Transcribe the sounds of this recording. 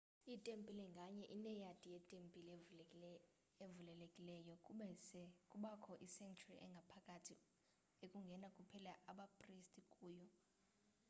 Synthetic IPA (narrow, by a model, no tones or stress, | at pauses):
itʼempʼilɛŋɡʱaɲɛʔinɛjatʼijɛtʼempʼil | evulɛlekʼilɛjɔɛsɛkʼuɓakʰɔʔisɛŋkt͡ʃʰuriʔɛŋɡʱapʰakʼatʰi | ekʼuŋɡʱɛnakʼupʰɛlaʔaɓapʼristʼikʼuːjɔ